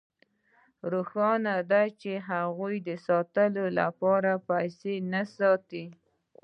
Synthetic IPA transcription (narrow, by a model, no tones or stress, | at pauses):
ɾuxɑnad̪at͡ʃeɦaɣujd̪əsɑt̪əlola̰pɑɾapajsenasɑt̪i